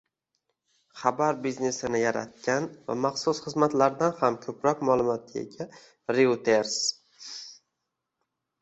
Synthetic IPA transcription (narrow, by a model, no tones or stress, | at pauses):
χabaɾbizne̞sɪnɪjaɾa̰t̪̚kʲanva̰maχsʊsχɨzmat̪laɾd̪anhamkʲʰɵpɾɒkʲmalˠʊmɒt̪ʰḛɡʲa | ɾiwt̪ʰeɾs